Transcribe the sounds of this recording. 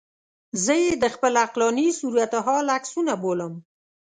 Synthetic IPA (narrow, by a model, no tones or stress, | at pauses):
zəjed̪əxpəlaqlɑnisuɾujat̪aɦɑlaksunaboləm